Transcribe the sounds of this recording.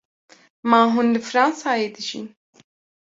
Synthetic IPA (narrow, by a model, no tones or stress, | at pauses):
maːɦunlɨfɾɑ̃ːnsaːjeːd̪ɨʒḭːn